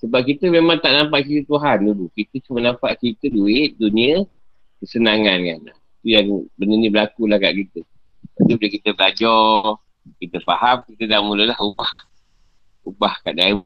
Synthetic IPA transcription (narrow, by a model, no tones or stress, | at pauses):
səbap̚kit̪əmemaŋt̪aʔnampaʔkit̪ət̪uɦandulukit̪ət͡ʃumənampaʔkit̪əduɪʔ̪̚duniə | kəsənaŋankanlahit̪ujaŋbənənibəlakulahka̰ʔkit̪ə | t̪apibuləkit̪əbəlad͡ʒɔ | kit̪əpahamkit̪ədaʔmuləlahubah | ubahka̰ʔdai